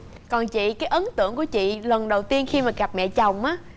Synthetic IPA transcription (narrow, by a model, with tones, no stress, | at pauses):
kɔ˨˩nt͡ɕḭ˧˨kaː˨˦jʔə˨˦nt̪ɨ̰˧˨əŋku˧˩ət͡ɕḭ˧˨lə˨˩nɗə˨˩wt̪i˧ənxi˧maː˨˩ɣa˨˩p̚mɛ̰˧˨t͡ɕa˨˩wŋ͡mʔaː˨˦